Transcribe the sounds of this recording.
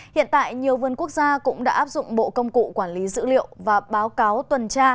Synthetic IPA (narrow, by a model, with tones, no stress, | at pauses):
hḭ˧˨ənt̪a̰ː˧˨jɲi˨˩əwvə˨˩nku˦˥ək̚zaː˧kʊ̰˧˥ŋ͡mɗa̰ː˧˥ʔaː˦˥p̚zʊ̰˧˨ŋ͡mɓo̰˧˨kə˧wŋ͡mkṵ˧˨kwaː˧˩nli˨˦zɨ̰˧˥lḭ˧˨əwvaː˨˩ɓaː˨˦wkaː˨˦wt̪wə˨˩nt͡ɕaː˧